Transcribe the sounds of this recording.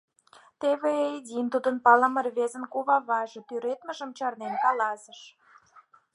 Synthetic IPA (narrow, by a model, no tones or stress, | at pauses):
t̪eβeid̪ʲint̪ud̪ənpɑləmə̆rβezə̆nkuβɑβɑʒɤ̆t̪yɾet̪mə̆ʒə̆mt͡ɕɑrnenkɑlɑsə̆ʃ